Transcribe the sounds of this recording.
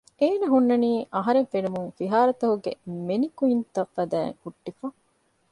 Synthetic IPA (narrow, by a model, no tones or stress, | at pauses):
eːnɐɦunːɐniːʔɐɦɐɾeŋfenumuŋfiɦaːɾɐt̪ɐɦuɡḛmenikuint̪ɐfːɐd̪æ̰ːŋhuʈːifɐ